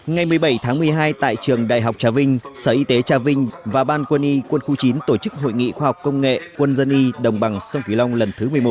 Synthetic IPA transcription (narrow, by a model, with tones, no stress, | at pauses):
ŋa˨˩jmɨ˨˩əjɓə˧˩jt̪ʰaː˨˦ŋmɨ˨˩əjɦaː˧jt̪a̰ː˧˨jt͡ɕɨ˨˩əŋɗa̰ː˧˨jɦa˨˩wk͡p̚t͡ɕaː˨˦wvï˧ŋ̟səː˧˩ʔi˧t̪e˨˦t͡ɕaː˧˩vï˧ŋ̟vaː˨˩ɓaː˧nkwə˧nʔi˧kwə˧nxu˧t͡ɕi˨˦nt̪o˧˩t͡ɕɨ˦˥k̚ɦo̰˧˨jŋḭ˧˨xwaː˧ha˨˩wk͡p̚kːə˧wŋ͡mŋḛ˧˨kwə˧nzə˧nʔi˧ɗə˨˩wŋ͡mɓa˨˩ŋsə˧wŋ͡mki˨˦la˧wŋ͡mlə˨˩nt̪ʰɨ˨˦mɨ˨˩əjmo˨˩